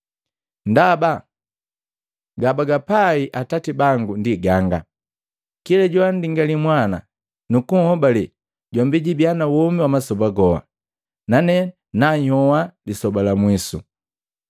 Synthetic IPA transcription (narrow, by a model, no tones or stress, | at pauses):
ndaba | ɡabaɡapaiʔatatibaŋɡundiɡaŋɡa̰ | kilɛɟɔandiŋɡalimwana | nukuŋ̩hɔbali | ɟɔmbiɟibjanawɔmiwamasɔbaɡɔwa̰ | nanɛ | naɲɔwalisɔbalamwisu